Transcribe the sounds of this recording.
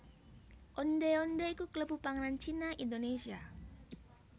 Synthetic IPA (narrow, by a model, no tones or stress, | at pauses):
ʔɔndeɔndeikukələbupaŋnant͡ʃinaindonesia